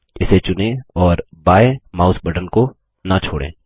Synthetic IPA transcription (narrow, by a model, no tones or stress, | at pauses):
ɪset͡ʃʊnẽɔːɾbaːemaːʊsbəɖənko | nat͡ʃʰoːɽḛ̃ː